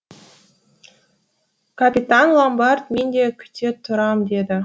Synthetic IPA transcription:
kʰapʲit̪anlˠambɑɾt̪me̞nd̪e̞kʲʰʏ̥t̪et̪ʰʊɾɑmd̪e̞d̪ɪ

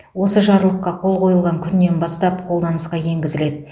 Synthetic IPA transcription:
wo̞səʒɑɾlˠəqːɑqʰo̞lˠqʰo̞jəlˠʁɑŋkʲʰʏnːe̞nbɑst̪ɑpqʰo̞lˠd̪ɑnəsqɑje̞ŋɡʲɪzɪle̞d̪ɪ

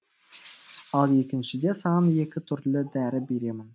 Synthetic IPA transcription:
ɑlˠje̞kʲɪnʃɪd̪e̞sɑnje̞kʲɪt̪ʰʏɾlɪd̪æɾɪbe̞ɾe̞mɪn

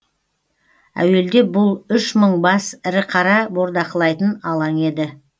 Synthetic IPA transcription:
æ̰we̞ld̪e̞bʊlˠʏʃməɴbɑsɪɾɪqʰɑɾɑbo̞ɾd̪ɑqəlˠɑjt̪ənɑlˠɑŋe̞d̪ɪ

